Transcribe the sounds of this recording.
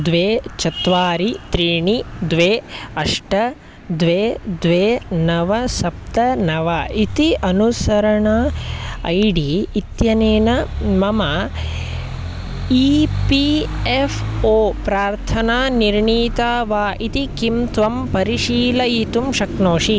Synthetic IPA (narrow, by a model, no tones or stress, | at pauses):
d̪ʋeːt͡ʃɐt̪ʋaːɾit̪ɾiːɳid̪ʋeːɐʂʈɐ | d̪ʋeːd̪ʋeːnɐʋɐsɐp̚t̪ɐnɐʋɐit̪iʔɐnusɐɾɐɳaɐ̰jɖiːt̪jɐneːnɐmɐmɐ | ipiefʰoːpɾaːɾt̪ʰɐnaːniɾɳiːt̪aːʋaːʔit̪ikimt̪ʋɐmpɐɾiʃiːlɐit̪umʃɐknoːʂi